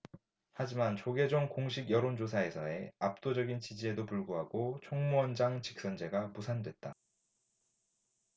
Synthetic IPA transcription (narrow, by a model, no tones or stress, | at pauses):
had͡ʑimant͡ɕoɡe̞d͡ʑoŋkoŋɕʰiɡjʌɾond͡ʑosʰae̞sʰʌe̞ap̚t͈od͡ʑʌɡint͡ɕid͡ʑie̞dopuɭɡuɦaɡot͡ɕʰoŋmuʌnd͡ʑaŋt͡ɕi̥k̚s͈ʌnd͡ʑe̞ɡamusʰandwe̞t̚t͈a